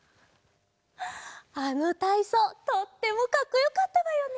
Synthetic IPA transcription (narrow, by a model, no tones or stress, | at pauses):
anot̪aisot̪ot̪ːe̞mokakɯ̟jokat̪ːad̪ajo̞ne